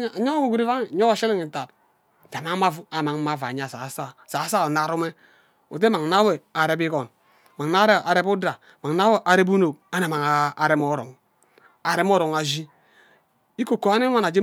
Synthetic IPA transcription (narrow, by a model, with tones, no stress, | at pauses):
ɲo˦ɡu˨ɡu˦ɾi˦va˦ŋi˨ɲo˦wa˨ʃe˦li˦ŋi˨ta˨t̚ | d͡ʒa˨ma˦ma˦vu˦a˨ma˨ŋ˦ma˦va̰˨ɲ˦a˦˨sa˨sa˦˨sa˨˦sa˦o˨na˦ɾu˦me˦ | o̰˨t̬e˦ma˨ŋ˨na˦we˨a˨ɾe˦bi˦kɔ˨n | ma˨ŋ˨na˦ɾe˦a˨ɾe˦bu˦da˨ | ma˨ŋna˦we˦ʔa˨ɾe˦bu˦no˨a˦na˨ma˨ŋaː˨ɾe˦mɔ˦ɾo̰˨ŋ | a˨ɾe˦m˦o˦ɾo˨ŋa˨zi˦ | i˦ko˨ko˨a˦ne˦a˦na˨d͡ʒe˦